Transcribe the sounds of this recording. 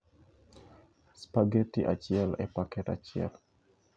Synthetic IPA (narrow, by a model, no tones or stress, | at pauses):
spaɡetiʔa̰t͡ʃiɛlɛpakɛta̰t͡ʃiɛ̰l